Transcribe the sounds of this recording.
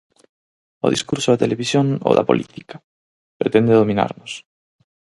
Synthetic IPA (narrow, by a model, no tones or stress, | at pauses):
o̰ðḭskuɾsoðat̪eleβisjoŋo̰ða̰polʔit̪ikḁ | pɾet̪end̪eðomĩna̰ɾnos